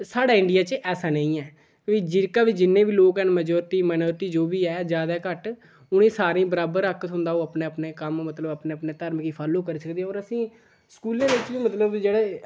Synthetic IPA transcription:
saːɽaːɪɳɖijaːt͡ʃʔɛːsaːnə̃ĩːɛː | iːd͡ʒɪɾkaːʋiːd͡ʒɪnːẽːʋiːloːkɛːnməd͡ʒɔːɾt̪iːmənɔːɾt̪iːd͡ʒoːbiːɛːd͡ʒjaːd̪aːkəʈ | ʊɽ̃ẽːsaːɾẽːbəɾaːbəɾəkːt̪ɦʊ̃nd̪aːoːəpneːəpneːkəmmət̪ləbəpneːpneːt̪əɾməkiːpʰaːlːõːk̬əɾiːsəkd̪iːɛ̃ɔːɾəsĩː | skuːlãːd̪eɪt͡ʃbiːmət̪ləbd͡ʒeːɽeː

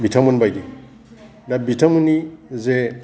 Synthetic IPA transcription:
bitamunbajdi | dabitamunize

